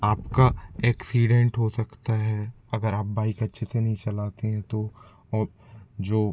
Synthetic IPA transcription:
aːpkaɛːksiːɖɛ̃ɳʈɦosɐkt̪aɦɛ | ɐɡəɾaːp̚baːɪkɐtːʃʰesenɐɦĩt͡ʃɐlaːt̪eɦɛ̃t̪o | ɔː | d͡ʒoː

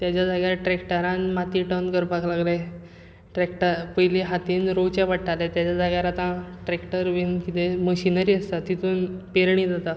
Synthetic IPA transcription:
t̪jat͡ɕad͡zaɡjaɾʈɾekʈəɾãnmat̪iʈənkəɾpaklaɡla | ʈɾekʈəɾpəjliɦat̪iːnɾowt͡ɕaʋaʈʈalet̪jat͡ɕad͡zaɡjaɾat̪ãʈɾekʈəɾʋinkit̪eməɕinəɾiːəst̪at̪it̪uːnpeɾɳ̃id͡zat̪a

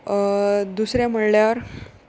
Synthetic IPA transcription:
d̪usɾjam̤əɽljaʋəɾ

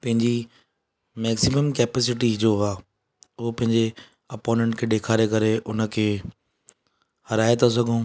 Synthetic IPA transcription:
pɐ̃ɦɪ̃ɲd͡ʑi | mɛːksiməmkɛːpɛːs̬ɪʈiɦɪd͡ʑoaː | ʊɦopɐ̃ɦɪ̃ɲd͡ʑe | ɐpɔːɪnmə̃ɳʈkʰeːɗeːkʰaːɾekɐɾeʔʊnə̆kʰeː | hɐɾaːet̪ʰas̬ɐɡʱõː

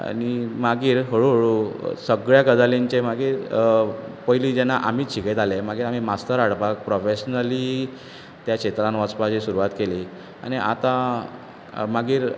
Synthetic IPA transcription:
a̰ñimaɡiːɾɦəɭuɦəɭusəɡɭjakəd̪aleɲt͡ɕemaɡiːɾ | pəɦilid͡ʑɛnaʔam̤iːt͡ɕʰiɡet̪alemaɡiːɾam̤imast̪əɾaɽbak̚pɾɔfeɕnəliː | t̪jaɕet̪ɾãnʋat͡spad͡ʑisuɾuʋat̪keliː | a̰ñiʔa̰t̪a | maɡiːɾ

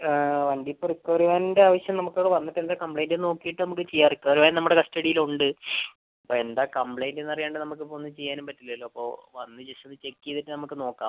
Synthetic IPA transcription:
ʋɐɳɖipːorikːoriʋaːninde̞aːʋɐɕjɐmnɐmukːo̞ːɽeʋɐnːiʈːend̪aːkɐmplejndeno̞ːkːijiʈːɨnɐmukːɨt͡ɕejːaːrikːɐːriʋaːnnɐmːuɽekɐsʈɐɽijiluɳɖɨ | ɐpːoːe̞nd̪aːkɐmpɭejndenːɐrijaːɳɖɨnɐmuk̬ːɨponːɨt͡ɕe̞jːaːnumpɐtːilːɐɐlːo̞ːɐpːo̞ːʋɐnːɨd͡ʑesɐnːɨt͡ɕe̞kːijɐðiʈːɨnɐmukːɨno̞ːkːa̰ːm

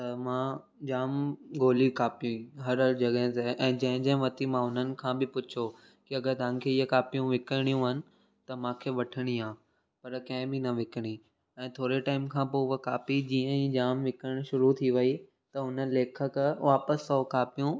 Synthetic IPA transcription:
t̪ɐmãː | d͡ʑaːmɡoːlikaːpijũĩɦɐɾəld͡ʑɐɠəɦɪ̃t̪eʔɛ̃ːd͡ʑɐ̃ɦɪ̃d͡ʑɐ̃ɦɪ̃ʋɐt̪imãɦʊn̤ənɪ̆kʰãːbɪpʊt͡ɕʰo | kiɐɡəɾt̪ã̆ːkʰeːɪɦəkaːpijũʋɪkəɽ̃ijũɦɐnɪ̆ | t̪ɐmãːkʰeːʋɐʈʰəɽ̃iãː | pɐɾkɐ̃ɦɪ̃bɪnɐʋɪkəɽ̃i | ɛ̃ːt̪ʰoːɾeʈaːɪmkʰãːpoːəkaːpid͡ʑiːə̃ĩːd͡ʑaːmʋɪkəɽ̃ʃʊɾut̪ʰiʋɐi | t̪ɐɦʊnəleːkʰəkʋaːpəsɔkaːpijũ

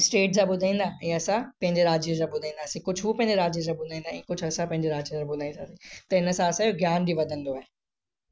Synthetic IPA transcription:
sʈeːʈsãbʊd̪ʱaĩːn̆d̪aɛ̃ːɐsãpɐ̃ɦɪ̃ɲd͡ʑeɾaːd͡ʒjẽzaɓʊd̪ʱãĩːnd̪aːsĩkʊd͡ʑʰʋupɐ̃ɪ̃ɲd͡ʑeɾaːd͡ʒjẽzabʊd̪ʱaĩːnd̪aɛ̃ːkʊd͡ʑʰɐsãpɐ̃ɦɪ̃ɲd͡ʑeɾaːd͡ʒzãbʊd̪ʱaːĩnaːsĩt̪ɐɪnsãːɐsãjoɡjaːnbʱiʋɐd̪ʱə̃nd̪oɛeː

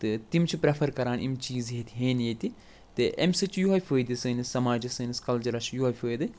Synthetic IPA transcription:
t̪ɨt̪imt͡ʃʰipɾefʰɐɾkɐɾaːnʔimt͡ʃiːzɦet̪ʰʲɦeːnjet̪i | t̪ɨʔemsɨt͡ʃʰjuɦɐfʲəːjd̪isɨːnɨsɐmaːd͡ʒɐsɨːniskɐld͡ʒɐɾɐʃjuɦɐfʲɨːjd̪ɨ

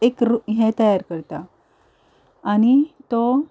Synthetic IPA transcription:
ekɾuɦɛ̃t̪əjaɾkəɾt̪a | añit̪ɔ

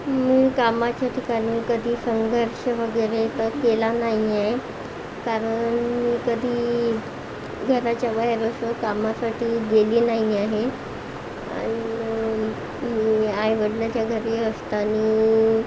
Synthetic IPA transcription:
miːkamat͡ɕjat̪ʰikaɾiːkəd̪ʱiːsəŋɡʱəɾɕəʋəɡəjɾet̪əkelanaɦiaɦe | kaɾəɳmiːkəd̪ʱiː | ɡʱəɾat͡ɕjabaɦeɾəsəkamasaʈiːɡeliːnaɦiaɦe | a̰ñi | miːajʋəɽlat͡ɕjaɡʱəɾiːəst̪aniː

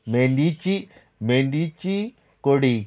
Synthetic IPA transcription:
meɳɖit͡ʃi | meɳɖit͡ʃi | koɽi

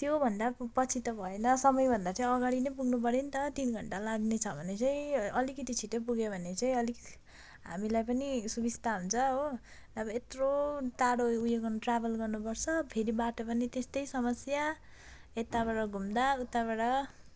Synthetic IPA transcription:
t̪jobʱʌnd̪apʌt͡sʰit̪ʌbʱʌenʌsʌmʌjbʱʌnd̪at͡saĩʌɡaɽinʌjpuɡnup̬ʌɾenit̪ʌt̪inɡʱʌɳʈalaɡnet͡sʰʌbʱʌnet͡saĩʌlikʌt̪it͡sʰiʈep̬uɡebʱʌnet͡saĩʌli | ɦa̰milajpʌnisubist̪aɦunt͡sʰʌɦo | nʌbʌet̪rot̪aɽoujoɡʌrnuʈrabʱʌlɡʌrnupʌrt͡sʰʌpʰeɾibaʈʌpʌnet̪est̪ʌjsʌmʌsja | et̪aβaɽʌɡʱumd̪aut̪ːaβaɽʌ

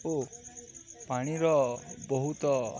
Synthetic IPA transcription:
o | paɽ̃iɾɔbɔɦut̪ɔ

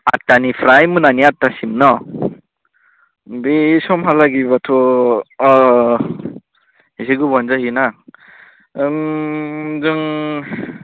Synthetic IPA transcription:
a̰tːanipʰɾajmunaniatːasimnɔ | bisɔmɦalaɡibatʰɔ | hisiɡubɔnzahina | zɯŋ

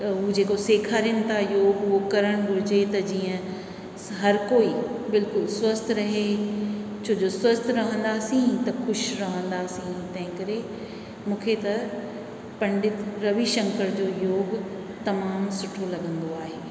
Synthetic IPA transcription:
ɦʊd͡ʑeːkoseːkʰaːɾjəñɪ̆t̪ʰajoːɡʊɦokɐɾəɽ̃ɡʱʊd͡ʑet̪ɐd͡ʑiːə̃ | ɦɐɾkoːibɪlkʊlswɐst̪ʰɾɐɦe | t͡ɕʰoːd͡ʑoswɐst̪ʰɾɐɦə̃nd̪aːsĩt̪ɐxʊʃɾɐɦə̃nd̪aːsĩt̪ɐ̃ɦɪ̃kɐɾe | mũːkʰet̪ɐ | pɐ̃ɳɖɪt̪ɾɐʋiʃɐ̃ŋkəɾd͡ʑoːjoːɡ | t̪ɐmaːmsʊʈʰolɐɡə̃nd̪oaːɦeː

